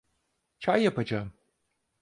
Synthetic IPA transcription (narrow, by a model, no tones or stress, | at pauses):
t͡ʃʰajɐpʰɐd͡ʒa